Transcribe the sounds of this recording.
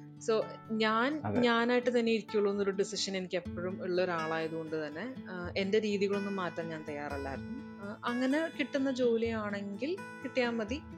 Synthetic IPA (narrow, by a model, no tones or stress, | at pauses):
soːɲaːnɲaːnaːjiʈːɨt̪ɐnːeiɾikʲːɐuɭːɐʋenːoɾuɖisiʂɐne̞nikʲːepːoɻumiɭːɐoɾaːɭaːjɐðuko̞ɳɖɨt̪ɐnːeende̞ɾiːðiɣɐɭo̞nːumːaːtːraːmɲaːnt̪ɐjːaːrɐlːa̰ːɾunːu | ɐŋːɐnekiʈːunːɐd͡ʑo̞ːlijaːɳe̞ŋɡilkiʈːijaːnmɐði